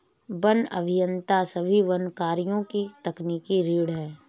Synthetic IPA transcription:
bənɐ̰bʱɪjə̃nt̪asɐbʱiʋɐnkaːɾijõkit̪ɐkniːkiɾiːɽɦɛː

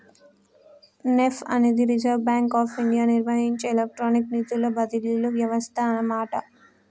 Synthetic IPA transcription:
nefɐ̰ne̞ːd̪iɾid͡ʒɐɾʋbaːŋkaːpiɳɖijaːniɾʋɐɦiɲt͡ʃeːlek̚ʈɾoːnikniːt̪ulːoːbɐd̪ililuʋjɐʋɐst̪ʰɐːnɐmaːʈɐ

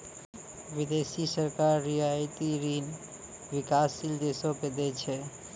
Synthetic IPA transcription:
ʋid̪esisəɾkaɾːijajt̪iɾin | ʋikasːild̪esoked̪et͡ʃʰɛ

